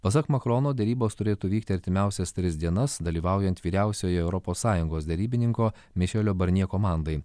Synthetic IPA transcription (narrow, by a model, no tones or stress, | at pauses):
pɐs̬ɐkmɐkɾoːnoːd̪ʲɛɾʲiːboːst̪ʊɾʲeːt̪uːʋʲiːk̚t̪ʲɪɐɾʲt̪ʲɪmʲæˑʊsʲɛst̪ʲɾʲɪzʲd̪ʲiɛnɐsd̪ɐlʲiːʋɑˑʊjɛnt̪ʋʲiːɾʲæˑʊsʲoːjɛɛʊɾɔpoːsːɑːjʊŋɡoːsd̪ʲɛɾʲiːbʲɪnʲɪŋkoː | mʲɛʃʲeːlʲoːbɐɾʲnʲiɛkoːmɑˑnd̪ɐɪ